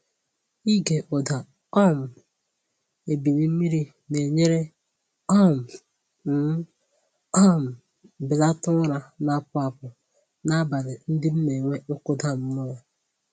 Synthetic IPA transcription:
i˦ɡe˨ʔɔ˨da˨ | ɔ˦m̩˨ | e˨bi˨ni˦m̩˦mi˦ɾi˦ | ne˨ɲe˦ɾe˦ | ɔ˦m̩˨ | n̩˦ | ɔ˦m̩˨ | bɪ˨la˦tʊ˦ŋ˦ɾa˨na˦pʊ˦a˨pʊ˨ | na˦ba˨ɾɪ˨n̩˦dɪ˦m̩˦ne˨ŋʷe˦ŋ̩˦kʊ˦da˦m̩˦nɔ˦ja˦

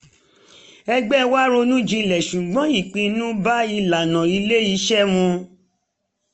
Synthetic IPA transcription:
ɛ˧ɡ͡bɛ˦wa˦ɾo˧nũ˦d͡ʒĩ˧lɛ˨ʃu˨ɡ͡bɔ̃˨˦i˦˨k͡pĩ˧nũ˦ba˦i˧la˨nã˨i˧le˦i˧˦ʃɛ˦mũ˧

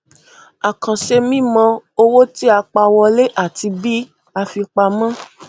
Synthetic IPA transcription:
a˨kã˨ʃe˧mĩ˦mɔ̃˧o˧wo˦ti˦a˧k͡pa˧wɔ˧le˦ʔa˦˨ti˧bi˦ | a˧fi˧k͡pa˧mã˦

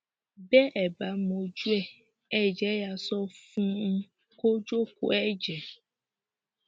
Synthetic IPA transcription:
bɛ˦ʔɛ˨ba˨˦mo˨d͡ʒu˦ɛ˨ | ɛ˦˨d͡ʒɛ˨˦ja˧sɔ˦fũ˦u˧ | ko˦d͡ʒo˦ko̰˨ɛ˦d͡ʒɛ˨

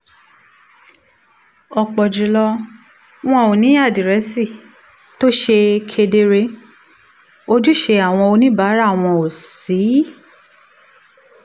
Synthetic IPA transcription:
ɔ˨k͡pɔ˨d͡ʒu˨lɔ˧ | w̃ɔ̃˦o˨nĩ˨˦a˦˨di˨ɾɛ˨˦si˦˨ | to˦ʃe˧kʰe˧de˧ɾe˧ | o˧d͡ʒu˦ʃe˧a˨w̃ɔ̃˧o˧nĩ˦ba˨˦ɾa˦˨w̃ɔ̃˧o˨si˨˦

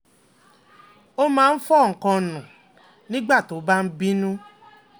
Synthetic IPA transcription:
o˦mãː˨˦n̩˦fɔ˦˨ŋ̩˨kɔ̃˧nũ˨ | nĩ˦ɡ͡ba˦˨to˨˦ba˦n̩˦bi˦nũ˦

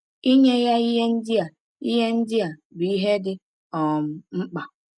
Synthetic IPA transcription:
i˦ɲe˦ja˦i˦ɦe˦n̩˦dɪ˦a˨ | i˦ɦe˦n̩˦dɪ˦a˨bi˨i˦ɦe˦dɪ˦ | ɔ˨m̩˨ŋ͡m̩˦k͡pa˨

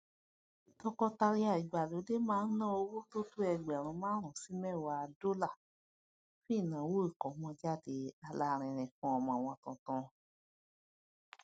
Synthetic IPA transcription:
tɔ˧kɔ˧ta˧ɾi˧a˨i˨ɡ͡ba˨lo˨˦de˦mãː˦˧n̩˦nã˦o˧wo˦to˦tu˦ɛ˧ɡ͡bɛ˨ɾ̃ũ˨˧˦mãː˦ɾ̃ũ˨si˦mɛ̃˦˨wa˧do˦la˦˨ | fĩ˦˨nã˨˦wo˦i˦˨kɔ˨mɔ̃˧d͡ʒa˦˨de˧a˧la˧˦˨ɾ̃ɛ̃˨ɾ̃ɛ̃˨fũ˦ɔ˧˨mɔ̃˨w̃ɔ̃˧tɔ̃˧tɔ̃˧

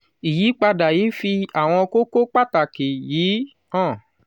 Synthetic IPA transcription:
i˨ji˨˦k͡pa˧da˨ji˨˦fi˧a˨w̃ɔ̃˧ko˦ko˦k͡pa˦ta˨ke˨jiː˨˦ | ã˦˨

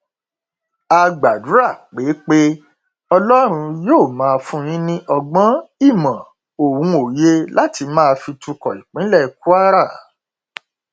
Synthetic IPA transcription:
a˧ɡ͡ba˨du˨˦ɾa˦˨k͡pe˨˦k͡pe˦ | ɔ˧lɔ˦ɾ̃ũ˧joː˦˨mãː˨˦˧fũ˦j̃ĩ˦nĩ˦ʔɔ˧ɡ͡bã˦i˦˨mã˨ | o˨wũ˧˦o˨je˦la˦ti˧mãː˦˧fi˧tu˧kɔ˨i˨k͡pĩ˨˦lɛ˦˨ku˦a˦ɾa˦˨

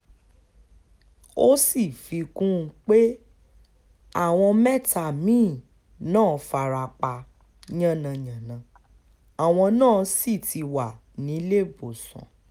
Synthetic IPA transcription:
o˦si˦˨fi˧kũ˦˧k͡pe˦ | a˦˨w̃ɔ̃˧mɛ˦˨ta˨mĩː˦˨ | nãː˦˨˦fa˧ɾa˧k͡pa˧ | ɲã˦˨nã˧ɲã˨nã˨ | a˨w̃ɔ̃˧nãː˦˨˦si˦˨tʰi˧wa˨ | nĩ˨˦le˦˨bo˨sɔ̰̃˨

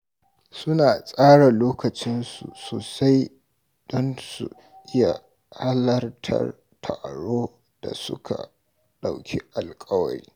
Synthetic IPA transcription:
sʊ˦naː˨sʼaː˦ɽa˨loː˦kɐ˨t͡ʃɪ˦nsṵ˨soː˨sa˦j | d̥ɔ˦nsṵ˨ | ʔɪ˦ja˨ | ha˦lɐ˦rtʰɐ̰˦r | tʰaː˨ɽoː˦ | d̥a̰˨sʊ̰˦kʰa̰˨ | ɗa˨wkʲi˦ʔa˨lkʼɐ˦wɐ̰˨ɾḭː˦

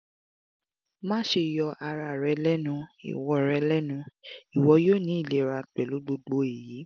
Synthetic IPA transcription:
mãː˦ʃe˧jɔ˧ʔa˧ɾa˧˨ɾɛ˨˧˦lɛ˦nũ˧ḭ˨wɔ˧ɾɛ˧lɛ˦nũ˧i˨wɔ˧jo˦˨nĩ˨˦i˦˨le˨˦ɾa˧k͡pɛ˨lo˨˦ɡ͡bo˧ɡ͡bo˧e˨jiː˨˦

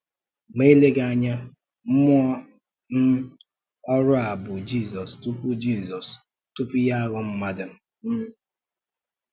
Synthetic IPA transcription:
ŋ͡me˦le˦ɡa˦a˨ɲa˦ | m̩˦mʊ˦ɔ˦ | n̩˦ | ɔ˦ɾʊ˦a˨bʊ˨d͡ʒi˦˨zɔ˨stʊ˦pʊ˦d͡ʒi˦˨zɔ˨s | tʊ˦pʊ˦ja˦ɣɔ˦m̩˦ma˦dʊ˨˦˨

